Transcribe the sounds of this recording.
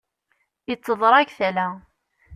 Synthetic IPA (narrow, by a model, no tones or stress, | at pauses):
jət͡sːəðˤɾˤɑkθælæ